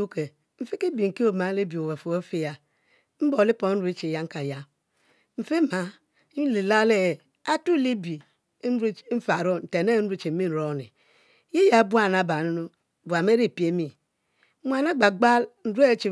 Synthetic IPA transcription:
u˦ke˨ | m̩˨fi˦ke˦bi˨ŋ̩˨ki˦o˨ma˨˦le˦bi˨o˨we˨fo˨o˦fi˦ja˨ | m̩˦bo˨li˦po˨˦n̩˦ɾi˦t͡ʃi˨ja˦ŋ̩˦ka˨ja˦ | m̩˨fe˦ma˨˦ | li˨la˦le˦˨ | a˦tu˦li˦bi˨˦ | n̩˦ɾm̩˦fa˨ɾo˦n̩˨te˨ne˦n̩˦ɾu˦t͡ʃi˨˦i˦n̩˨ɾo˦˨nḭ˨ | je˦ja˨˦bu˦a˦˨na˨ba˨nu˦no˦˨ | bu˨a˨m˦e˦ɾi˦˨pi˨e˦mi˦ | mʷ˦a˨na˦ɡ͡ba˨ɡ͡ba˦ln̩˨˦ɾu˦e˦t͡ʃi˨

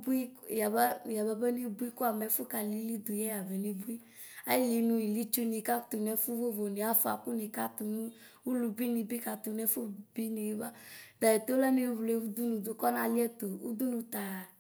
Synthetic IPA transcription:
bu˦i˦ja˨ba˦ja˨ba˨˦be˦ne˦bu˦i˦ko˦a˨mɛ˨˦fu˦ka˨li˨˦li˦d̪u˨jɛ˦a˨vɛ˨ne˦bu˦i˦ | a˦li˨nũ˨i˨li˦t͡ʃu˦ni˨ka˦t̪u˨n˨ɛ˨˦fu˦vo˦vo˨ne˨a˨˦fa̰˨ku˦ne˨ka˦t̪u˨nũ˦ | wu˦lu˨bi˦ni˨bi˦ka˨t̪u˨n˦ɛ˦fu˦bi˦ne˨˦ba˦da˨e˨t̪o˦lɛ˦ne˨˦vle˨˦wu˦d̪u˦nũ˨do˨kɔ˦nã˨li˦ɛ˦t̪o˨wṵ˦d̪u˦nũ˨t̪a˨

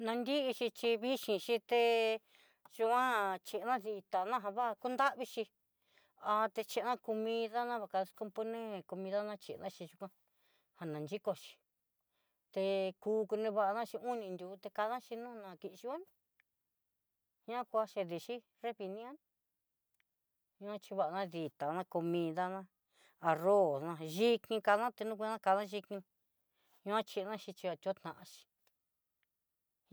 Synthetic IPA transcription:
nã˧nd̪i˦ʔi˧t͡ʃi˧t͡ʃi˧βi˦ʃĩ˧ʃi˧t̪e˧ | ʒu˧kʷã˦t͡ʃe˧ʔnã˦ði˧t̪a˨˧nã˦ɦã˧βa˦˧ku˦nd̪a˦ʔβi˧ʃi˧ | a˧t̪e˧t͡ʃe˧nã˦ku˧mĩ˧ða˦nã˦βa˧˨ka˧sko˧mpo˧nẽ˦˨ko˧mĩ˧ða˦nã˧t͡ʃe˧˨˧nã˦t͡ʃi˧ʒu˧kʷã˧ | ha˨nã˨nd͡ʒi˦ko˧t͡ʃi̥˧ | t̪e˧kuː˧˦ku˧nẽ˧βa˧ʔa˧nã˦t͡ʃi˧u˦nĩ˧nd̪ʲu˨˦t̪e˧ka˧ðã˦ʃi˧nũː˦˧nã˧ki˧ʔʃi˧õ˦n | hã˦kʷa˧ʃe˧ði˧˨ʃi˦ | re˦βi˧nĩ˦õ˦n | ɲũ˧ã˦t͡ʃi˧βa˧˨a˧nã˦ði˨t̪a˨nã˧ko˧mĩ˧ða˦˧nã˦ | a˧ro˦˨nã˧ʒi˦kĩ˧ka˧ðã˦t̪e˧nũ˦k̬ʷã˦ka˧ðã˦ʒi˧kĩ˧ | ɲũ˧ã˦t͡ʃi˧nã˦ʃi˧t͡ʃi˧a˧t̪ʲo˦t̪nã˨ʔã˧ʃi̥˧

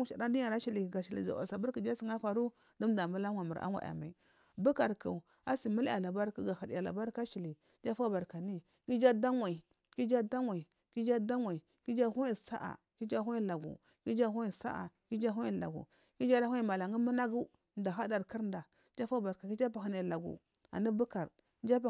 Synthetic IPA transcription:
u˦ʃa̰˨ɾa˦di˦a˨ɾa˦ʃi˨li˨ɡa˨ʃi˨lḭ˨d͡ʒa̰˨wa̰˨sa˨bu˦ɾki˨d͡ʒa˦si˨ŋa˦fa˨ɾu˦ | du˦m˦da˨mba˦la˦ŋʷwa˨mu˨ɾʔa̰˦ŋʷwa̰˨ja̰˨ma˨i˨ | bu˦ka˨ɾka̰˨u˨ | a˦si˨mu˦la˨la˨ba˦ɾku˦ɡa˨ha˨di˨a˨la̰˨ba˦ɾka˦ʃi˨li˨ | d͡ʒa˦fa˦ba˨ɾka˨ni˦ | ki˦d͡ʒa˦da˦ŋwa˨i˨ | ki˦d͡ʒa˦da˦ŋwʷa˨i˨ | ki˦d͡ʒa˦da˦ŋʷa˨i˨ | ki˦d͡ʒa˦hu˦i˨sa̰˦ʔa̰˨ | ki˦d͡ʒa˦ɦu˦i˦la˨ɡṵ˨ | ki˦d͡ʒa˦ɦu˦i˨sa̰˦ʔa̰˨ki˦d͡ʒa˦ɦu˦i˦˨la̰˨ɡṵ˨ | ki˦d͡ʒa˦la˦hʷu˦i˦˨ma˨la˨ŋɡi˦mu˦na˦ɡu˦ | n˦da˨ɦa˦da˨ɾki˦ɾn˦da˨˦ | d͡ʒa˦fa˦ba˨ɾka˨ki˦d͡ʒa˦pa˨ɦa˨na˨la˨ɡṵ˨ | a̰˨ni˦bu˦ka˨ɾ | n˦d͡ʒa˦p

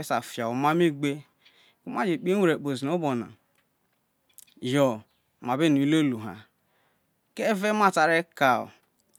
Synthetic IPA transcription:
e˦sa˨fja˨o˨ma˦mi˦ɡ͡be˦ | ku˦m˦a˦d͡ʒi˨k͡pi˦e˦˨ɾe˨k͡po˨zi˨o˦bɔ˨na̰˨ | jɔ˨ | ma˨bɪ˦˨ni˨˦lo˦˨lu˨ɦa̰˨ | ke˦ve˦ma˦˨ta˨ɾe˦ka˦o̰˨

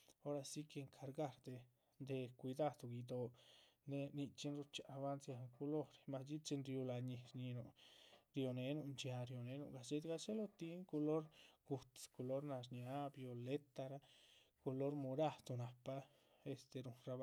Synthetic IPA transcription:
o˦ɾa˧si˦ke˧ŋkʰa˧ɾɡa˧ɾd̪e˧ | nd̪e˧kʷi˧d̪a˧d̪u˧ɡi˧d̪o˧ne˧ni˧t͡ʃi˦nɾu˧t͡ʃa˨a˧βa˦nsja˧ŋko˧lo˦ɾma˧sd͡ʒi˦t͡ʃi˧nɾju˧la˧ɲi˧ɾɲi˧nu˨ɾjo˧ne˨˦nu˧ʔnt͡ʃja˧ɾjo˧ne˧˦nṵ˧ʔɡa˨t͡ʃe˦d̪ɡa˧t͡ʃe˦lo˦˧t̪i˧˦ŋko˧lo˦ɾɡ̥u˧t̪sko˧lo˦ɾna˧ʐ̬ɲja˦bjo˨le˦t̪a˧ɾa˦ | ko˧lo˦ɾmu˧ɾa˦˧˨d̪u˧na˨pa˦ | e˧st̪e˧ɾu˧ɾa˧b

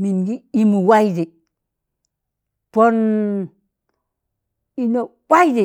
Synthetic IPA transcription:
mi˨nɡi˦i˦mu˨wa˦jdi˨ | po˦n | i˦no˨wʷa˦jdi˨

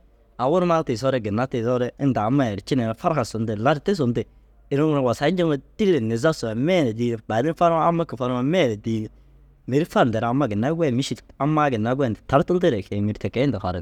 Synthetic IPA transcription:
a˨wʊ˦ɾma˦tɪ˨s̬ɔ˦ɾɛ˦ɡɪ˨na˦tɪ˨sɔ˦ɾɛ˦ɪ˦nda˨˦ma˦˨ɾɪ˨t͡ʃɪ˦nɛ˨n˨fa˦ɾka˨sʊ˨ndɪ˨la˦ɾɪ˦tɪ˦s̬ʊ˨ndɪ˨ | ɪ˨ɾʊ˦ɾwa˨sa˨˦ɪ˦ɲd͡ʒɪ˦ma˦di˦e˨nɪ˨za˦sʊ˨a˨mɛ˦˨nɛ˨di˦ba˨dɪ˦n˦fa˦ɾma˦a˦mːa˦kɪ˨fa˦ɾa˦mɛ˦˨nɛ˨diː˦ | mɪ˨ɾɪ˦fa˦ɾndɛ˨ɾa˨mːa˦ɡɪ˨nːa˦ɡɛ˦˨mɪ˦ʃi˦ta˦ma˦ɡɪ˨nːa˦ɡɛ˦˨ndɪ˨ta˦ɾtʊ˦ldɪ˦ɾɛ˨kɛ˨mɪ˨ɾtɛ˨kɛ˦ɪ˦ndɪ˨xɔ̰˨ɾɪ̰˨

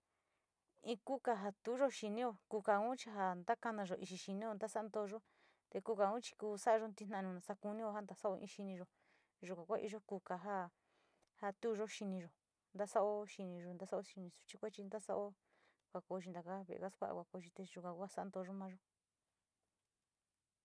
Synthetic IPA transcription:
ĩ˧ku˦ka˧ɦa˧t̪u˦ʒo˦ʃi˧nĩ˦o˧ku˧ka˧ũ˦t͡ʃi˧ɦa˧nd̪a˦ka˧nã˧ʒo˧˨ʔi˧ʃi˧ʃi˧nĩ˦o˧nd̪a˦sa˦a˧nd̪o˧ʒo˦ | t̪e˧ku˧ka˧˨ũ˦t͡ʃi̥˧kuː˧sa˦a˧o˧˦nt̪i˧˦nã˧˨˧ũ˧nã˨sa˧ku˧nĩ˦o˧ha˦nd̪a˧sa˦o˧ʔḭ̃˧ʃi˧nĩ˧ʒo˨ | ʒu˧˨kʷã˨kʷa˦˧ʔḭ˧ʒo˦ku˧ka˧ɦa˦ | ha˧t̪u˦˧ʒo˦ʃi˧nĩ˧ʒo˨ | nd̪a˦sa˦ʔo˦ʃi˧nĩ˧ʒo˧nd̪a˦sa˦o˦ʃi˧nĩ˧su̥˧t͡ʃi˦kʷa˦t͡ʃi˧nd̪a˦sa˦ʔo˦ | kʷa˧ko˧˨˦t͡ʃi˧nd̪a˨ka˦βḛ˧˨ḛ˨ka˦skʷa̰˦ʔa̰˧˨kʷa˧˨ko˧˦˧t͡ʃi˧t̪e˧ʒu˧kã˨˧kʷsa˦ʔa˧nd̪o˧ʒo˦mã˦ʒo˦

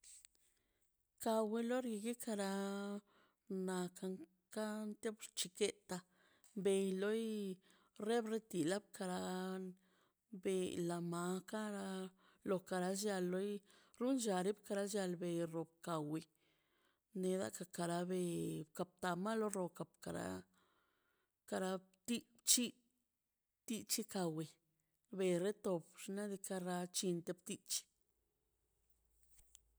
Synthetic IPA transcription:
ka˨we˧lo˦ɾɡi˧ɡe˦ka˧ɾa˧ | na˧ka˧ŋ | ka˦nt̪e˦bɾt͡ʃi˧ke˦t̪a˧ | mbe˨˧jlo˦j | ɾe˦bɾe˦t̪i˨la˦b̚kʰa˧ɾa˧ | be˧la˨ma˨˧˦ka˦ɾa˧ | lo˨ka˧ɾa˧sja˧lːo˦j | ɾu˦nd͡ʒa˨ɾi˦bka˧ɾa˧˦ʃja˧lbe˨ɾo˨b̚ka˨we˨ | ne˧d̪a̰˦ka˧ka˨ɾa˧be˧ka˨p̚t̪a˨ma˦lo˦ɾo˧ka˨pka˨ɾa̰˧˦ | ka˧ɾa˧t̪i˦ | t͡ʃi˦ | t̪i˦t͡ʃi˦ka˨we˨ | be˨ɾe˦t̪o˨bʂna˦d̪i˧ka˦ɾa˧t͡ʃi˧nt̪e˧bt̪i˦t͡ʃi̥˧

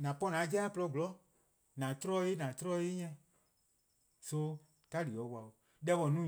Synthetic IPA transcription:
nã˨pɔ˦nã˨˦d͡ʒɛ˦plɔ˧˨ɡlɔ˨˦ | nã˨tɾɔ˦e˦nã˨tɾɔ˦e˦ɲɛ̃˧ | so˧˦ | ta˦li˨ɔ˨˦wa˨o˨ | dɛ˧˦wɔ˨nũ˦

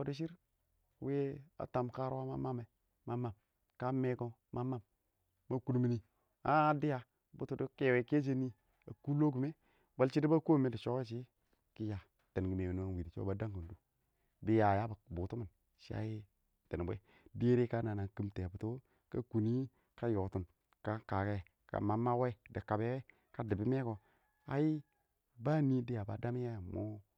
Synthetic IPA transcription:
o˨di˦ʃ̬i˦ɾ | we˦a̰˨˦ta˨mka˦ɾwa˦ma˦ma˦ma˨ | ma˦mːa˨m | ka˦me˦ko˦ | ma˦ma˦mː | a˦ku˦n˦mi˦ni˨ | a˦di˦ja˨ | bu˦tu˨˦du˦ke˦we˨ke˦d͡ʒ̬e˦ni˦ | a˨ku˦lo˦k̬u˨me˦ | ba˦lt͡ʃi˦di˦ba˦ko˦me˦di˨t͡ʃo˦e˦t͡ʃ̬i˦ | ki˦ja˨ | te˨n˨ɡi˨me˨wn˨˦a˨wi˨di˨t͡ʃo̰˦ba˨˦da˦ko˨ndu˦ | bi˦ja˨ja˦ba˨bu˨tu˦mi˨n | ʃi˦a̰˦ji˦ | te˨n˨bʷḛ˦ | de˦ɾe˦ka˦na˨na˨ki˦mte˨bu˨˦to˦ | ka˦ku˨ni˦ | ka˦jo˨tu˨n | ka˦ka˨ke˦˨ | ka̰˨ma˨ma˦we˦i˨di˨ka˨be˦we˦ | ka˦di˨bi˦me˦ko˨ | a̰˦ji˦ | ba˦ni˦di˦ja˨ba˦da˦mi˦ja˦ja˨mo̰˦

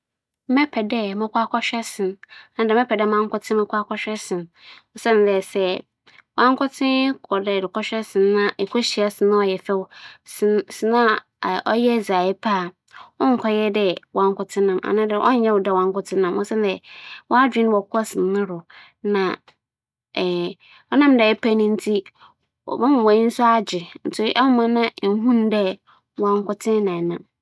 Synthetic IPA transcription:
mɛ˦pʰɛ˨dɛ˦˨mɪ̃˦kʷa˦kʰʷɔ˦ɕᶣɛ˦sɪ̃˨n˨nã˦dɪ˨mɛ˦pʰɛ˨dɛ˦mã˦ŋ˦kʊ˦tʰɪ̃˦mɪ̃˦kʷa˦kʰɔ˦ɕᶣɛ˦sɪ̃˨n | o˦sɛ̃˦n˨dɛ˨sɛ˨ | wã˦ŋ˦kʊ˦tʰɪ̃˦kʰɔ˨dɛ˨dɪ˨kɔ˦ɕᶣɛ˦sɪ̃˨nː˦ã˦ʔe˨kʰo˦ɕi˨a˦sɪ˨nã˦ɔ˨jɛ˨fɛ˦wssɪ˨nã˦˨ | ʔɔ˦jɛ˦˨za˨ɪ˦pʰa˦˨ | ɔ˦ŋ̩˨kʰɔ˦jɛ˦dɛ˨wã˨ŋ˦kʊ˨tʰɪ̃˦nã˨mʔa̰˨nã˦dɪ˦ʔɔ̰˦n˦jɛ˦wʊ˨dɛ˦˨wã˨ŋ˦kʊ˦tʰɪ̃˦nã˨˦ɔ̃˦sɛ˦ndɛ˨wɔ˦a˦dᶣɪ̃˦n˦wɔ˨kʰɔ˦sɪ˨nːʊ̃˦ɾʊ˨ | nã˨ | ɔ˦nã˦mdɛ˨ɛ˦pʰa˦nĩ˦n̩˦tʰi˦˨ | ã˦m˨wã˨˦ĩ˦n̩˦sʊ˦a˦d͡ʑɪ˨n̩˨tʊ˦ʔɛ˦hʊ˦mã˦nã˦n̩˦ɦũ˦n˦dɛ˦ | wã˨ŋ˦kʊ˦tʰɪ̃˦nã˨nã˨m

